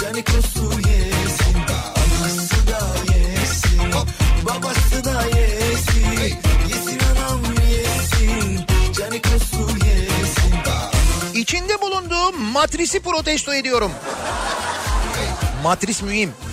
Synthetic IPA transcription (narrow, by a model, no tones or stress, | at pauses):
d͡ʒanikusujesin | sɯd̪ajesibabasɯd̪ajesijesinanamyjesid͡ʒanikusujesi | it͡ʃʰind̪ɛbulˠund̪uːmat̪ɾisipɾo̞t̪ɛst̪ʰoe̞d̪ijo̞ɾum | mat̪ɾismyhim